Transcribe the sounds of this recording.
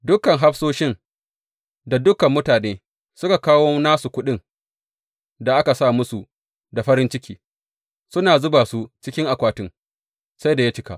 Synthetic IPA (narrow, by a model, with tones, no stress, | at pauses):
dʊ˦kɐ˨ŋɦa˦ɸsoː˦ʃɪ˦n | da˨dʊ˦kɐ˨mːʊ˦taː˨neː˦ | sʊ˦ka˨kaː˦woː˦naː˦su˨kʷʊ˦ɗɪ˦ŋ | da˨ʔa˦ka˨sa˦˨mʊ˦su˨ | da˨ɸɐ˦ɾɪ˦nt͡ʃɪ˦kʲiː˨ | sʊ˦naː˨zʊ˦baː˨su˦t͡ʃɪ˦kʲɪ˦ŋʔa˨kʷaː˦tʊ˦ŋ | sa˦jda˨ja˦t͡ʃɪ˦ka̰˨ʔ